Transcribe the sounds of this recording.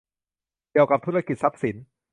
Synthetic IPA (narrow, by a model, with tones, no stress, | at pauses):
ki˨˩əwka˨˩p̚t̪ʰu˥ɾa˧ki˨˩t̪̚sa˦˥p̚si˩˦n